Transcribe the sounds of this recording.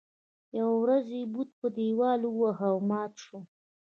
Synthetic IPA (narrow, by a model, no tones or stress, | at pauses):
jawawɾazjebud̪̚pəd̪ewɑluwahawmɑt̪ʃo